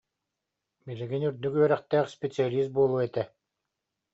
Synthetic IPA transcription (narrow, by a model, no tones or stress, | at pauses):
biliɡinyɾd̪ykyœɾɛχt̪ɛːχspʲet͡sialʲiːst̪̚buɔlˠuːɛt̪ɛ